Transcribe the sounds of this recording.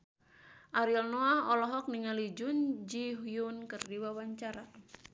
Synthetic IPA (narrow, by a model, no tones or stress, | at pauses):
ʔaɾilnoahɔlɔɦɔk̚niŋalid͡ʒund͡ʒiɦujunkɨrdiwawaɲt͡ʃaɾa